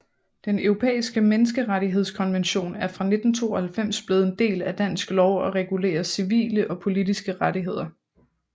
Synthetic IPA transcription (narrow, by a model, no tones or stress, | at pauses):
d̥enʊʁo̝pʰḛːisɡ̥əmenəs̬ɡ̥əʁaɾiɦe̝ð̰ˠskʰɒ̽nʋenɕo̝̰ːnæɐfʁɑ̈ne̝d̥n̩t͡sʰo̝̰ːɒhælfem̰sb̥le̝ðˠend̥e̝̰ːlæd̥æn̰sɡ̥lɒʊɒ̽ʁɛɡ̥ule̝̰ːɐsiʋḭːləʔɒ̽pʰo̝lidisɡ̥əʁaɾiɦe̝ð̞̰ˠɐ